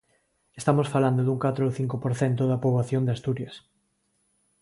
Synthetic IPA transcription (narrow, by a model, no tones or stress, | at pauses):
est̪amosfaland̪oðuŋkat̪ɾooθiŋkopoɾθɛnt̪̬oðɐpoβaθjond̪east̪uɾjɐs